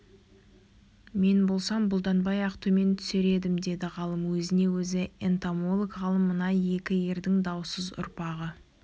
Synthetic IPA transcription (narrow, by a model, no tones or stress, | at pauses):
me̞nbo̞lˠsɑmbʊlˠd̪ɑnbɑjɑqt̪ʰɵme̞nt̪ʰʏ̥seɾe̞d̪ɪmd̪e̞d̪ɪʁɑlˠəmwɵzɪne̞wɵzɪent̪amo̞lˠəkʁɑlˠəmːənɑje̞kʲɪje̞ɾd̪ɪŋd̪ɑwsəzʊ̰ɾpɑʁə